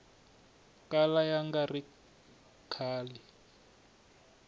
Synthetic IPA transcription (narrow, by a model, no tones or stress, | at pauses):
kalajaŋɡari | kʰaːli